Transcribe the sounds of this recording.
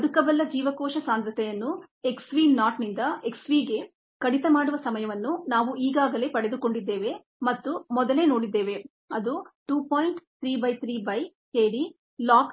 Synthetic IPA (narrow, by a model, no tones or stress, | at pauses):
ɐd̪ukɐbɐlːɐd͡ʒiːʋɐkɔːʃɐsaːnd̪ɾɐt̪ɛjɐnːu | e̞ksʋiːnaːʈnind̪ɐe̞ksʋiːɡe̞ | kɐɽit̪ɐmaːɽuʋɐsɐmɐjɐʋɐnːunaːʋuʔiːɡaːɡɐle̞ːpɐɽe̞d̪uko̞ɳɖid̪ːe̞ːʋe̞ | mɐt̪ːumɔd̪ɐle̞ːnoːɽid̪ːe̞ːʋe̞ | ɐd̪uʈuːpoːjiɳʈt̪ʰɾiːbɐjt̪ʰɾiːbɐj | keːɽi | laːk